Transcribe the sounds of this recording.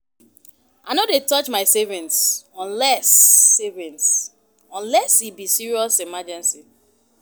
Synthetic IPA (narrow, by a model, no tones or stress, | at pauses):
ʔaɪnodetɔt͡ʃmaɪsɛvĩntsɔ̃nlɛsɛvĩns | ɔ̃nlɛshibisiɹiɔsimad͡ʒɛ̃nsi